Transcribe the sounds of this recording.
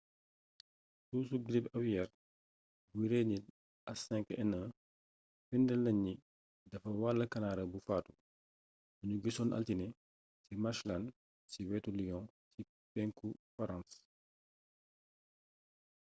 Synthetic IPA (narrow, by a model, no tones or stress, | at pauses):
tuːsuɡɾibɐwjɛɾ | biɾɛɲit | ʔɐsɛ̃ŋkɛnə | findɛlɐɲːi | dɐfɐwalːɐkɐnaːɾɐbufaːtu | buɲuɡisɔːnʔɐ̰ltinɛ | simaʃlɐn | siwɛtulijɔ̃ | si | pɛŋkufɐɾãns